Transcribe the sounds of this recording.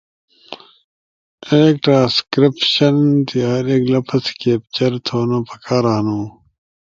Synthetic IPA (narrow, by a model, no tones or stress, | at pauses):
eːk̚ʈɾãːskɾipɕɐnt̪iaːɾeːklɐpʰɐskeːp̚t͡ɕɐɾt̪ʰoːnopʰɐkaːɾaːnuː